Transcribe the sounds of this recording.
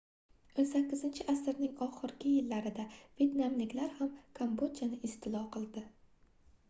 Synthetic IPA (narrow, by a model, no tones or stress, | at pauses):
onsakʲːɪzɪnt͡ʃʰɪʔasɪɾnɪŋɒχɨɾɡʲɪjɪlːaɾɪd̪ave̞t̪namlɪkʲlaɾhamkʰambod̪t͡ʃanɪʔɪst̪ʰɪlˠɒqʰɨlˠd̪ɪ